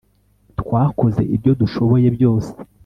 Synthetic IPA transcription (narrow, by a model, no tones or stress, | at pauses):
tkwaːko̞ze̞̰ʔibjo̞duʃo̞βo̞je̞bjo̞ːse̥